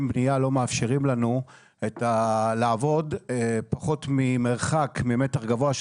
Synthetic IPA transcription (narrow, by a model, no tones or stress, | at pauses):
mbnijalo̞meafʃeʁimlanu | etalaːvo̞dpaχo̞tmimeʁχakmime̞taχɡavo̞aʃ